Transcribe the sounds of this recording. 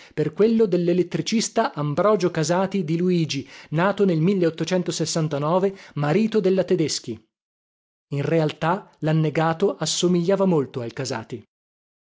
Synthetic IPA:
perkwelːod̪elːelet̪ːɾit͡ʃist̪aʔambɾɔːd͡ʒokazaːt̪id̪iluiːd͡ʒinaːt̪onelmilːeot̪ːot͡ʃɛnt̪osesːant̪anɔːvemaɾiːt̪od̪elːat̪ed̪esk̟i | inrealt̪alanːeɡaːt̪oʔasːomiʎːaːvamolt̪oajkaza̰ːt̪i

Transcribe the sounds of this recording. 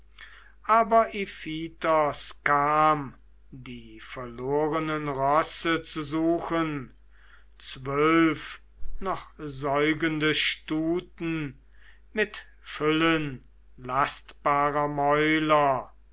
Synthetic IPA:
ʔaːbɐʔifiːtɔskaːm | diːfɛɐloːʁənənʁɔsət͡suzuːxən | t͡svœlf | nɔχzɔʏɡəndəʃtuːtn̩ | mɪt | fʏlən | lastb̥aːʁɐmɔʏlɐ

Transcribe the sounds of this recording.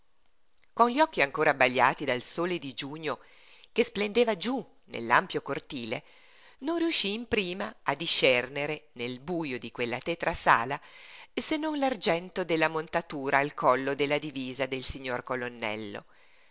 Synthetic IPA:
konʎiɔkːiaŋkoːɾabːaʎːa̰ːt̪id̪alsoːled̪id͡ʒuːɲo | kesplend̪eːvad͡ʒu | nḛlːa̰mpjokort̪iːlḛ | nonriuʃːiːmpɾiːmaad̪iʃɛrneɾenelbuːjod̪ikwelːat̪ɛt̪ɾasa̰ːlasenːonlard͡ʒɛnt̪od̪elːamont̪at̪uːɾaːlkɔlːod̪elːad̪iviːzad̪elsiɲːorkolonːɛ̰lːo̰

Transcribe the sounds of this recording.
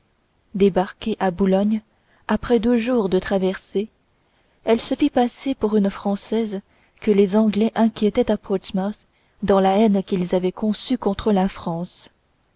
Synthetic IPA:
d̪ebaʁkʲeʔabulɔɲ | apχɛd̪øʒuːʁd̪ət̪χavɛʁse | ɛlsəfipasepuʁynfχɑ̃sɛz | kəlezɑ̃ɡlɛʔɛ̃kʲjet̪ɛt̪apʰɔt̪mas | d̪ɑ̃laɛnkʲilzavɛkɔ̃sykɔ̃t̪χəlafχɑ̃s

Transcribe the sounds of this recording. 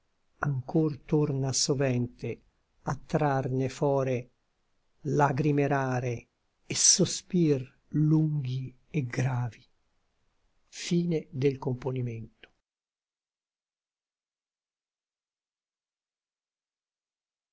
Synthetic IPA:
aŋkort̪ornasovɛnt̪e | at̪ːɾarnefɔːɾe | laɡɾimeɾaːɾeː | sospir | luŋɡi | ɛɡɾaːvi | fiːned̪elkomponiment̪o̥

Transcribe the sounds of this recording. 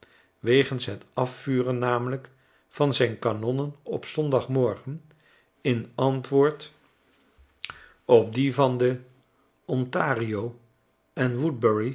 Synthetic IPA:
ʋejχənsɦətɑfːyːrənːaːmələk | fɑnzɛjnkanɔnənɔ̰psɔndɑχmɔɹχən | ɪnɑntʋʊːɹt | ɔp̚divɑndə | ɔntaːriow | ɛnʋud̚bəɹi

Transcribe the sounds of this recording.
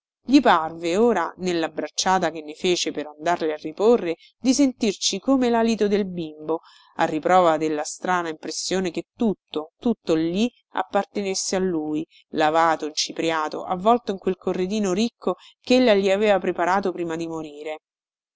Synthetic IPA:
ʎiparveoːɾanelːabɾat͡ʃːaːt̪akenːefeːt͡ʃepeɾand̪arlearːiporːe | d̪isent̪irt͡ʃikomelalit̪od̪elbimbo | arːipɾɔːvad̪elːast̪ɾaːnaimpɾesːjoːneket̪ːut̪ːot̪ut̪ːolːi | a̰pːart̪enesːealːuːi | lavaːt̪oint͡ʃipɾjaːt̪o̰ʔavːɔlt̪oiŋkwelkorːed̪iːnoɾikʰːo | kelːaʎiaveːvapɾepaɾaːt̪opɾiːmad̪imoɾiːɾe

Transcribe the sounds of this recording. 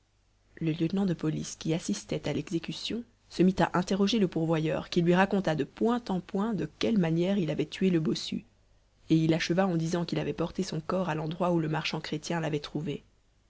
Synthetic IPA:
ləljət̪nɑ̃d̪əpɔliskʲiasist̪ɛt̪alɛɡzekʲysjɔ̃ | səmit̪a̰ʔɛ̃t̪eʁɔʒeləpuʁvwajœ̰ːʁkʲilɥiʁakɔ̃t̪ad̪əpwɛ̃t̪ɑ̃pwɛ̃d̪əkʲɛlmanjɛʁilavɛt̪ʰɥeləbɔsy̰ | eilaʃəvaɑ̃d̪izɑ̃kʲilavɛpɔʁt̪esɔ̃kɔʁalɑ̃d̪ʁwauləmaʁʃɑ̃kχet̪jɛ̃lavɛt̪χuve

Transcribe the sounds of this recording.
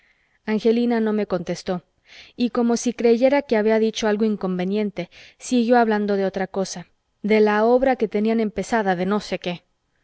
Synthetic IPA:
aŋxe̞linano̞me̞ko̞nt̪e̞st̪o̞ | iko̞mo̞sikɾe̞ʝe̞ɾake̞aβ̞iaðit͡ʃo̞alɣo̞iŋko̞mbe̞njẽ̞nt̪e̞siɣjo̞aβland̪o̞ðe̞o̞t̪ɾako̞sa | ðe̞lao̞βɾake̞t̪e̞niane̞mpe̞saðaðe̞no̞se̞ke̞

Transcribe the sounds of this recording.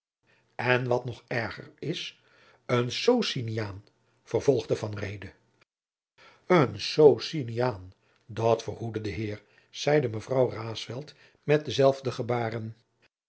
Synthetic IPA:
ɛnʋɑtnɔχɛɹχə̰ɹɪs | ənsowsinijaːn | v̥əɹvɔlˠχdəvɑnrejdə | ənsowsinijaːn | dɑtfərɦudədəɦɪːɹ | z̥ɛjdəməvrɑwraːsfɛlˠt | mɛt̚dəzɛlˠvdəχəbaːrən

